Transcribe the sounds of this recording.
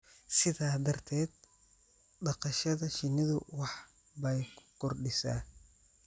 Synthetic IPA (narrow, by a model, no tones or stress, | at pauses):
sɪðaːd̪ɐrt̪ʰɛːd̪̚ | ɖɑqɑʃɐðɐʃɪnɪðʊwɑħ | bɐjkʰʊ̥kʰɔrɖɪsa̰ː